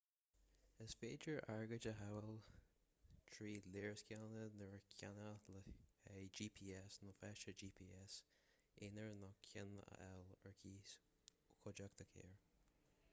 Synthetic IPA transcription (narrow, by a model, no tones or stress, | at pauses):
əsfeːd͡ʒəɹʔaɹɡəd͡ʒəɦawəl | t̪ʰɹiːleːɹskjalnənəɹkʰjanələɛd͡ʒiːpʰiːɛsnɔfɛʃəd͡ʒiːpʰiːɛs | ɪnəɹnɔkʰjɪnə̰ʔɛləɹkʰiːs | kʰɔd͡ʒak̚t̪ʰəkʰḛːɹ